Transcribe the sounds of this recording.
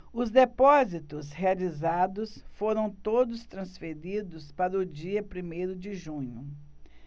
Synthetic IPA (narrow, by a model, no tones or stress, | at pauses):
ʊzd̪epɔzit̪ʊshealizad̪ʊsfoɾɐ̃w̃t̪od̪ʊst̪ɾɐ̃sfeɾid̪ʊspaɾɐʊd͡ʒiɐpɾimejɾʊd͡ʒɪʒũɲʊ